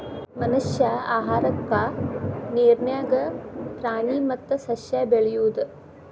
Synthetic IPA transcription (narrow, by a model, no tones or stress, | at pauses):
mɐnuʃjaːaːɦaːɾɐkːaːniːɾnjaːɡɐpɾaːɳiːmɐt̪ːɐsɐʃjaːbeɭɐjuːd̪